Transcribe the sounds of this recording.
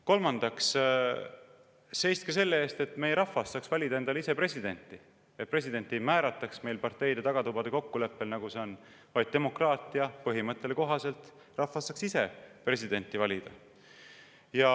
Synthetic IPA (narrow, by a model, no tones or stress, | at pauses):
ko̞lmɑnd̪̥ɑks | se̞jst̪kese̞lːee̞ːst̪e̞t̪ːˑme̞jeɾɑfːɑsːɑːksvælʲid̪ɑenɑlise̞pre̞sʲid̪̥e̞nʲt̪ːˑi | e̞t̪̚pre̞sid̪e̞nʲt̪imæːɾɑt̪ːˑɑksme̞jlpɑrt̪e̞jd̪e̞t̪ɑɡ̥ɑt̪ubɑd̪e̞ko̞kːule̞pːe̞lnɑɡuse̞o̞n | vɑjd̪̚t̪e̞mo̞krɑːt̪ːˑiɑpɤɦimɤt̪ˑːe̞leko̞ɦɑse̞lt̪ˑ | rɑfɑsːɑːksise̞pre̞sʲid̪e̞nʲt̪ːˑivɑlʲid̪̥ɑ | jɑ